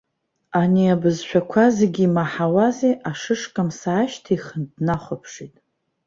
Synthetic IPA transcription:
aniabɨzʃʷᶣʰakʷʰazeɡʲiːmaħawazeʔaʂɨʂkʼamsaːʃtʰaiχəndnaχʷapʰʂitʼ

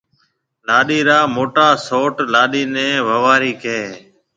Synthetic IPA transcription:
laːɗiːɾaːmoːʈaːsoːʈlaːɗiːnẽːʋəʋaːɾiːkeː

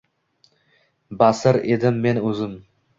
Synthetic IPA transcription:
basɪɾed̪ɪmːenɵzɪm

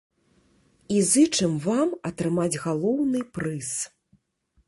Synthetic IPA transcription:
izɨt͡ʂɨmvamɐt̪ɾɨmad͡zʲɣalˠɔwnɨpɾɨs

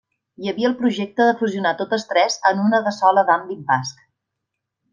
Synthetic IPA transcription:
jəβiəlˠpɾuʒek̚t̪əðəfuziunat̪ot̪əst̪ɾɛzənunəðəsɔləðamlimpask

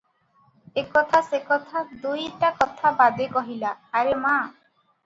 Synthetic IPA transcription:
ekɔt̪ʰasekɔt̪ʰad̪ujʈakɔt̪ʰabad̪ekɔɦilaːɾema

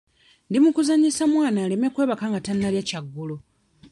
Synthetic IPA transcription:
ndimukuzaɲisamwaːnaːlemekwe̞ːβakaːŋɡatanːaljacaɡːulo

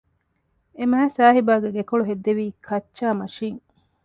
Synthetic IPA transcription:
emæːsaːɦibaːɡeɡekoɭuɦed̪ːeʋiːkʰɐtːt͡ʃːaːmɐʃiːŋ

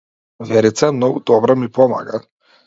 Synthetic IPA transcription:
vɛɾit̪sɛmnɔɡud̪ɔbɾamipɔma̰ɡa

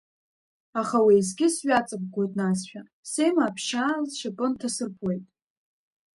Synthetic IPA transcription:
aχawejzɡʲɪsɥʷᶣat͡sʼɨk̚ɡʷo̞jtʼnasʃᶣa | se̞jmaːpʰʃazʃapʼɨntʰasɨrpʰwejtʼ

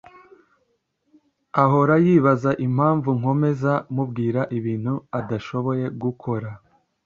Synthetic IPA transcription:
aɦo̞ɾajiːβazaʔim̥haːɱvuŋ̥o̞me̞zamubɡiːɾaʔiβiːn̥huadaʃo̞βo̞je̞ɡukʰo̞ɾa

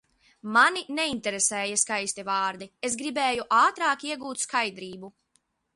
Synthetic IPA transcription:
maninɛinʲt̪ɛɾesɛːjɛskajsʲt̪ʲɛvɑːɾd̪iezɡɾibeːjuʔaːt̪ɾaːkiɛɡuːt̪skajd̪ɾiːbu

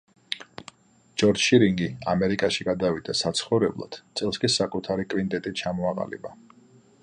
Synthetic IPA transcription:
d͡ʒɔɾd͡ʒʃiɾiŋɡia̰mɛɾikʼaʃiɡad̪avid̪asat̪sʰχɔvɾɛblˠa̰d̪̥t̪sʼɛlˠskʼisakʼut̪ʰaɾikʼvint̪ʼɛt̪ʼit͡ʃʰamɔaqʼa̰lḭba

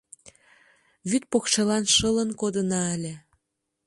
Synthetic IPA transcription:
βyt̪̚pokʃelɑnʃələnkod̪ənɑəlʲĕ

